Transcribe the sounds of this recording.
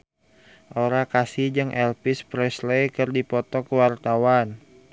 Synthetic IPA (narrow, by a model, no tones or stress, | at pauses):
ʔoɾakasid͡ʒɨŋʔɛlpispɾɛslejkɨrdipɔt̪ɔkəwart̪awan